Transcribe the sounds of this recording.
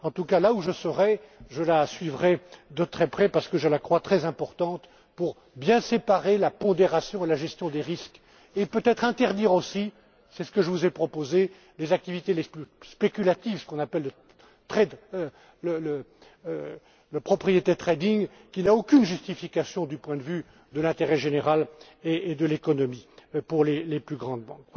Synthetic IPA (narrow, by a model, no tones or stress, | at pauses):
ɑ̃t̪ukalauʒəsəʁɛʒəlasɥivʁɛd̪ət̪χɛpχɛpaʁsə̥kəʒəlakχwat̪χɛzɛ̃pɔʁt̪ɑ̃t̪ | puʁ | bjɛ̃sepaʁelapɔ̃d̪eʁasjɔ̃elaʒɛst̪jɔ̃d̪eʁisk | epøt̪ɛt̪χɛ̃t̪ɛʁd̪iʁosi | sɛsə̥kəʒəvuzɛpχɔpoze | lezak̚t̪ivit̪eleplyspekʲylat̪ivsə̥kɔ̃napɛlːə | t̪χɛd̪ | lələ | ləpχɔpχijet̪et̪χɛd̪iɲ | kʲinaokʲynʒyst̪ifikʲasjɔ̃d̪ypwɛ̃d̪əvy | d̪əlɛ̃t̪eʁɛʒeneʁal | eːd̪əlekɔnɔmipuʁleleplyɡʁɑ̃d̪bɑ̃k